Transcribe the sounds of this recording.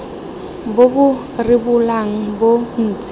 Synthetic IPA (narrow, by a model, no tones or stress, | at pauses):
bobʊ | rɪbulaŋ̩bon̩ːt͡sʼɪ